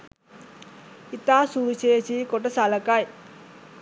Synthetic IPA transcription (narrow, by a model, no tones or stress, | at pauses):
it̪aːsuʋit͡ʃeːt͡ʃikoʈɐsalɐkaj